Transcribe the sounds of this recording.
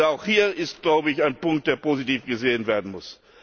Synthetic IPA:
aʊxhiːɐɪstɡ̥laʊbəɪçaɪnpʊŋk̚t̚d̥eːɐpoːzitiːfɡ̥əzeːənveːɐdn̩mʊs

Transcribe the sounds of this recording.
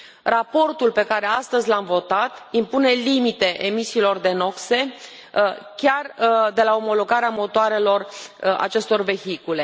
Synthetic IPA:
rapo̞rt̪ulpe̞kaɾe̞ast̪əzʲlamvo̞t̪at̪impune̞limit̪e̞ʔemisiːlo̞rd̪e̞no̞kse̞ | kʲard̪e̞lao̞mo̞lo̞ɡaɾeamo̞t̪oaɾe̞lo̞ra̰t͡ʃe̞st̪o̞rve̞çikule̞

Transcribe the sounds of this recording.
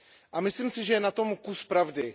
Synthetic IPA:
ʔamɪslimsɪʒɛjɛnat̪o̞mkuspɾavdɪ

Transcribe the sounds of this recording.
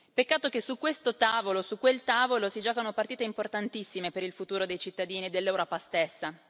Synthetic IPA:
pekːaːt̪ok̟esukːwest̪ot̪aːvolosukːwelt̪aːvolosid͡ʒɔːkanopart̪iːt̪eimport̪ant̪isːimepeɾilfut̪uːɾod̪ejt͡ʃit̪ːad̪iːnied̪elːewɾɔːpast̪esːa

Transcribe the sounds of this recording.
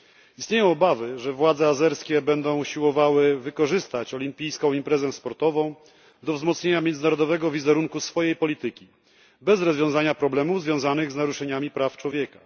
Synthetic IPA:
ist̪ɲejɔ̃w̃ɔbavɘʐɛvwad̪zɛazɛɾskʲɛbɛnd̪ɔ̃w̃uɕiwɔvawɘvɘkɔʐɘst̪at͡ɕɔlʲimpʲijskɔ̃w̃impɾɛzɛspɔɾt̪ɔvɔ̃w̃ | d̪ɔvzmɔt̪sɲeɲamjɛnd̪ɘnaɾɔd̪ɔvɛɡɔvʲizɛɾuŋkusfɔjejpɔlʲit̪ɘkʲi | bɛzɾɔzvʲjɔ̃w̃zaɲapɾɔblɛmuvzvʲjɔ̃w̃zanɘɣznaɾuʂɛɲamʲipɾaft͡ʂwɔvʲjeka

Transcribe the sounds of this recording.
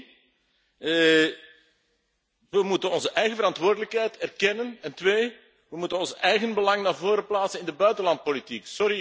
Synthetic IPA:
ʋəmutənɔnzəʔɛjɣəvəɾɑntʋoːrdələkɦɛjtɛrkɛnənɛntʋeː | ʋəmutənɔnsɛjɣənbəlɑŋnaːrvoːɾəplaːtsənɪndəbœɥtənlɑnt̚politiksɔɾi

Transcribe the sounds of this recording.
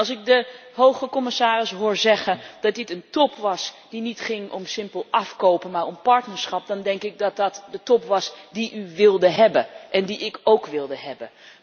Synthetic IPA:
ɑlˠsɪk̚dəɦowχəkɔmɪsaːrɪsɦʊːɹzɛχənd̥ɑt̚dɪtəntɔpʰʋɑsdinitχɪŋɔ̰msɪmpəlˠɑfkowpəmaːɹɔmpɑɹtnəɹsχɑp̚dɑndɛŋkɪk̚dɑt̚dɑtdətɔpʋɑsdiʔyʋɪlˠdəɦɛbəʔɛndiʔɪkowkʋɪlˠdəɦɛbən

